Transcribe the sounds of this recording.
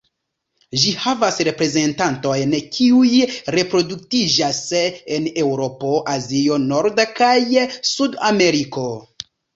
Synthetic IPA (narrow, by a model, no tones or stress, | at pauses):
ʒihavasɾe̞pɾe̞ze̞ntanto̞jnkʰiujɾe̞pɾo̞duk̚tid͡ʒase̞ne̞wɾo̞po̞ʔazio̞no̞ɾdakajsudame̞ɾiko̞